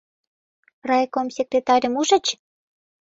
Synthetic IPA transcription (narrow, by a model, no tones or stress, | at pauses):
rɑjkomsʲekrʲet̪ɑɾʲə̆muʒə̆t͡ɕ